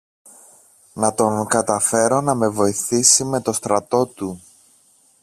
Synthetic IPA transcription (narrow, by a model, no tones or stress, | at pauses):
nɐt̪o̞ŋkɐt̪ɐfe̞ɾo̞nɐme̞vo̞iθisime̞t̪o̞st̪ɾɐt̪o̞t̪u